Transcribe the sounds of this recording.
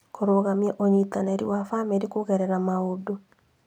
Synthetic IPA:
koɾoɣamiaʔoɲitanaɾḭwafameɾikoɣɛɾɛɾamaodo

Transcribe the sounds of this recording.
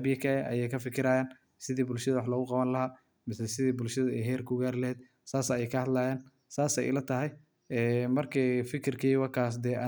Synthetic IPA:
bɪjɐkʰɐɛɐ̰jɛjkʰɐfɪkʰɪɾaːjaːn | sɪðiːbʊlʃɐðɐwɑħlɔːɣʊqɑβɐnlɐɦaː | mɪsɛsɪðiːbʊlʃɐðɐɛɦɛːrkʰʊɡaːrlɐɦɛːd̪̚ | saːsɐɛjkʰɐhɐd̪laːjaːn | saːsɛ̰jlɐt̪ʰɐɦɛj | ɛːmɐrkʰifɪkʰɪrkʰiːwɑrkʰaːs̬d̪ɛːʔɐ

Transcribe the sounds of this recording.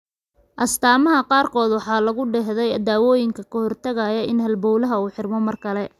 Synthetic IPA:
ʔɐst̪ʰaːmɐɦɐqɑːrkʰɔːd̪wɑħɑːlɐɣʊɖɛɦðɛjɐd̪aːwɔːjɪŋkʰɐkʰɐhɔrt̪ʰɐɣajɐɪnɦɐlbɔwlɐɦɐuːħɪrmɔmɐrkʰɐlɛ

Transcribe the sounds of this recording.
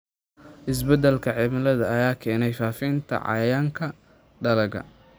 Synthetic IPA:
ʔɪs̬bɛd̪ɛlkʰɐʕɛmɪlɐðɐːjaːkʰɛːnɛjfaːfɪnt̪ʰɐ̰ʕɑ̰jaːŋkʰɐ | ɖɐlɐɣɐ̰

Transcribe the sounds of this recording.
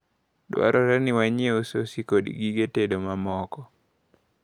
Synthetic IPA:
dwa̰ɾʔɔɾaniwaɲeososikodḭɡiɡetedomamɔkɔ

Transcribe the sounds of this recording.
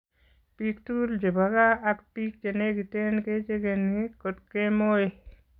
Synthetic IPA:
pikt̪uld͡ʒebʱaɡaɐkpik̚d͡ʒeneɡit̪enket͡ʃeɡenikot̪kemoje

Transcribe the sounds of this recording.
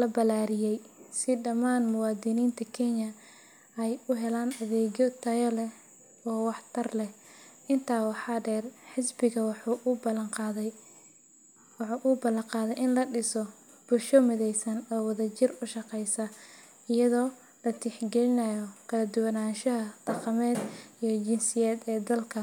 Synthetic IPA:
lɐbɐlaːɾɪjɛjsɪɖɐmaːnmʊwɑːd̪ɪniːnt̪ʰɐkʰɛɲɐ | ɛjʊɦɛlaːnɐðɛːɣɔt̪ʰɐjɐlɛ | ɔːwɑħt̪ʰɐrlɛ | ɪnt̪ʰaːwɑħɑɖɛːrħɪsbɪɣɐwɑħbɐlqː | ʔʊbɐlɐŋqɑːðɛjʔɪnlɐɖɪsɔ | b̥ʊlʃɔmɪðɛjsɐnɔːwɐðɐt͡ʃɪrʊʃɑqɛjsɐ | ɪjɐðɔː | lɐt̪ʰɪħɡɛlɪnɐjɔkʰɐlɐd̪ʊwɐnaːnʃɐɦɐd̪̥ɑqɑmɛːd̪ijɔd͡ʒɪnsɪjɛːd̪ɛːd̪ɐlkʰɐ

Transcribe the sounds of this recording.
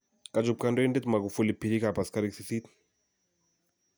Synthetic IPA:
kad͡ʒup̚kandɔindɛt̪maɡufulipiɾikapaskaɾiksiθit̪

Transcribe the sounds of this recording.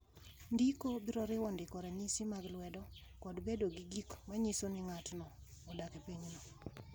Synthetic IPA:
ndikobiɾɔɾɪwɔndɪkɔɾɛɲisimaɡlwɛdɔ | kɔdbedoɡiɡikmaɲisonɪŋatnɔ | ɔdakepeɲnɔ

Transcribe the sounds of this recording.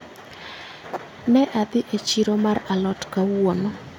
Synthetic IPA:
nɛʔad̪ɪʔet͡ʃiɾomaralɔtkawonɔ

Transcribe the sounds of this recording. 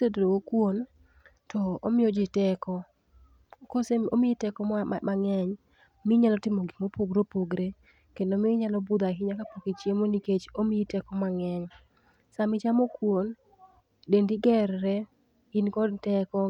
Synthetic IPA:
sedɾowokwon | tɔomɪjɔd͡ʒɪtɛkɔ | koseo̰mɪitɛkɔaŋɛɲ | mɪɲalɔtɪmoɡimopoɡɾopoɡɾe | kendomɪɲalɔbʊd̪aɦɪɲakapoket͡ʃjemoniket͡ʃomɪitɛkɔmaŋɛɲ | samɪt͡ʃamokwon | dendiɡɛɾɾɛ | ɪnkɔdtɛkɔ

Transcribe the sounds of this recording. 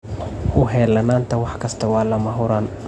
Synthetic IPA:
ʔʊɦɛːlɐnaːnt̪ʰɐwɑħkʰɐst̪ʰɐwɑːlɐmɐɦʊɾaːn

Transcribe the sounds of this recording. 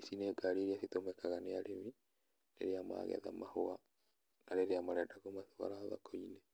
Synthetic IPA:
isineːɡaɾiɾiasitomɛkaɣaneaɾemi | nḛɾeama̰ːɣɛ̰ða̰mahoa | naɾeɾeamaɾɛdaɣomaθowa̰ɾaβa̰koinɛ

